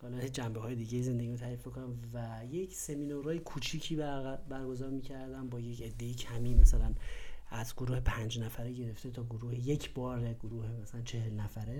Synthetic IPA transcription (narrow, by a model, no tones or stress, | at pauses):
hɒːlɒd͡ʒæmbeɦɒːjed̪iːɟejiːze̞nd̪eɟimot̪ʰæɾifmikʰo̞nænvæ | je̞cʰse̞minoɾɒːjekʰut͡ʃʰiːcʰiːbbæɾɡo̞zɒːɾmiːcʰæɾd̪ænbɒːjecʰe̞d̪ːe̞jicʰæmiːmæsælænæzɡoɾuːhepʰænd͡ʒnæfæɾeɟe̞ɾe̞ft̪e̞t̪ʰɒːɡoɾuːhejecʰbɒːɾeɡ̥oɾuːhemæsælænt͡ʃʰe̞helnæfæɾe